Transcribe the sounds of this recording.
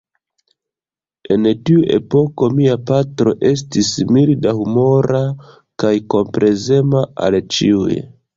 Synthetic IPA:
e̞ntiuʔe̞̰po̞ko̞miapatɾo̞ʔe̞s̬tismildahumo̞ɾa | kajko̞mpɾʔe̞ze̞maa̰lt͡ʃḭuj

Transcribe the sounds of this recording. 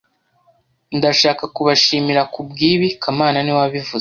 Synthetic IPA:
ndaʃaːkakuβaʃiːmiɾakub̚ɡiːβikʰamaːnaniwaβivuz

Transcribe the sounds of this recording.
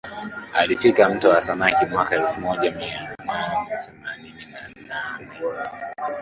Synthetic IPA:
alifikam̩tɔwasamakimwakaɛlfumɔʄamianannasɛmaninina | nanɛ

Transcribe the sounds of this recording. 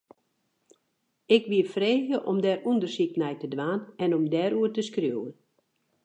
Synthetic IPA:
ɪkʋiəfreːɣjəʔɔmdɛrundərsik̚nɛjtədʋaːnɛnomdɛːɾuərtəskrjuːən

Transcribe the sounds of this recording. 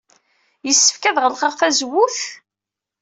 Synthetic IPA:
jəsːə̥fkæðʁəlqəʁfæzəwːuθ

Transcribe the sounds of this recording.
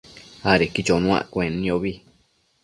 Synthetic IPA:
aɾekit͡ʃonũã̰kʷẽnĩoβi

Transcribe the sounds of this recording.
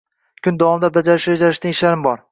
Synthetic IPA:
kʲʰʊnd̪awɒmɪd̪abad͡ʒaɾɪʃad͡ʒaɾɪʃt̪ɪŋɪʃlaɾɪmbɒɾ

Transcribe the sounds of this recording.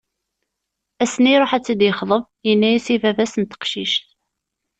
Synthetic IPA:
æsniɾˤoħæt͡sːid̪jəχðˤəv | jənːæjisivævæsənt̪ə̥qʃiʃt̪

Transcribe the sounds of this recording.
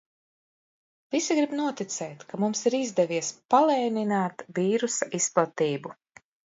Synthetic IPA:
visiɡɾibnuɔt̪it̪sɛːt̪kamumsiɾizd̪ɛviɛspalˠɛːninaːt̪viːɾusaʔisplˠat̪iːbu

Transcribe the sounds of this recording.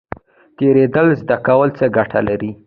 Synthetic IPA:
t̪eɾed̪əlzd̪akawəlt͡səɡaʈʰa̰laɾi

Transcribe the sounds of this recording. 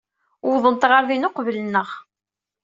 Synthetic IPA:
wʊðˤənt̪ʁəɾðinoqvələnːəʁ

